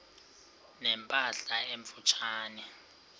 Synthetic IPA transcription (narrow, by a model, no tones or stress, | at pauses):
nɛmpʼaɬaeɱfut͡ʃʰaːnɛ